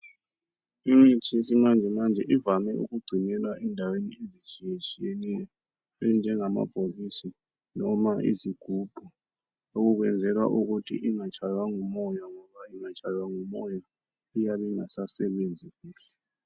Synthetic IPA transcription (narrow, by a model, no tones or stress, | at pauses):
imit͡ʃʰʼisimand͡ʒʱɛmand͡ʒʱɛʔivamɛʔṵɣuɡ͡ǀʱinɛlaʔɛndʱaweniezit͡ʃʰʼijet͡ʃʼijenilɛ | ɛnd͡ʒʱɛŋama̰b̥ʱolisi | nɔmaʔḭziɡ̥ʱub̥ʱu | oɣuɣ̬wɛnd͡zʱɛlwa̰ʔuɣutʰḭʔiŋat͡ʃʰʼajwaŋumɔjaŋɔβaiŋat͡ʃʰʼajwaŋumɔja | ijaβɛŋasasɛβend͡zʱiβiːlɛ